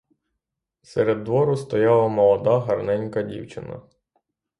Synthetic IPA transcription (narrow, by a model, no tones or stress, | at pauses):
sɛɾed̪ːʋɔɾʊst̪ɔjɑlˠɐmɔlˠɔd̪aɦɐrnɛnʲkɐdʲḭwt͡ʃɪnɐ̰